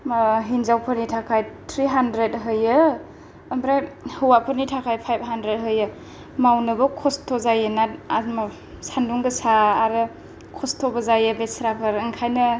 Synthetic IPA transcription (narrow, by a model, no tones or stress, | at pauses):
maɦinzawpʰɯɾnitʰakʰajtʰɾiɦandɾetɦɯjɯː | mbɾajhɯwapʰɯɾnitʰakʰajpʰajb̚ɦandɾet̚ɦɯjɯ | mawnɯbɯkʰɔstʰɔzajɯnat̚ama | sanduŋɡɯsaːɾɯ | kʰɔstʰobəzajɯbesɾapʰɯɾɯŋkʰajnɯ